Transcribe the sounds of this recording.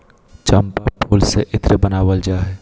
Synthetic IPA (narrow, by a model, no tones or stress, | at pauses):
t͡ʃɐmpapʰoːlsḛʔɪt̪ɾəbənaːʋəld͡ʒaːɦɛː